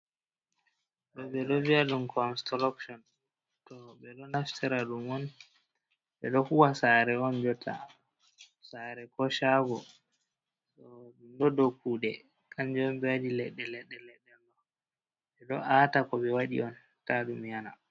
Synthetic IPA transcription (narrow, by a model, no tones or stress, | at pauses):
ɗɔɓɛɗɔviaɗumkɔanstɔlɔkʃɔn | tɔɓɛɗɔnaftɛɾaɗumɔn | ɓɛɗɔkuwasaɾɛɔnd͡ʒɔtʰːa̰ | saɾɛkɔʃaɡɔ | sɔɗumɗɔdokuɗɛ | kand͡ʒɔɔmbɛwadilɛɗːɛlɛɗːɛlɛɗːɛlɗɔ | ɓɛɗɔʔatakɔɓɛwaɗḭɔn | taɗumjana̰